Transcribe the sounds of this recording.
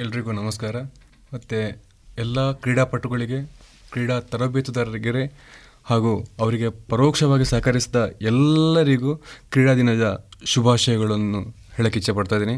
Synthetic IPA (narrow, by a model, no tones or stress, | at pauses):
ɛlːɐɾiɡuːnɐmɐskaːɾɐ | mɐt̪ːe | ɛlːɐkɾiːɽapɐʈːuɡɐɭiɡe̞kɾiːɽat̪ɐɾobeːt̪ud̪ɐɾɐɾiɡɐɾe | haːɡuːɐʋɐɾiɡe̞pɐɾoːkʂɐʋaːɡisaːkɐɾisid̪ɐɛlːɐɾiɡuːkɾiːɽaːd̪inɐd̪ɐʃubʱaːʃɐjɐɡɐɭɐnːu | hɛɭɐkit͡ʃːɐpɐɽt̪aːjd̪iːni